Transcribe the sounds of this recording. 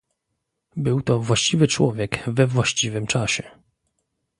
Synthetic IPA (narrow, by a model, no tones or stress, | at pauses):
bɘwt̪ɔvwaɕt͡ɕivɘt͡ʂwɔvʲjɛɡvɛvwaɕt͡ɕivɘmt͡ʂaɕɛ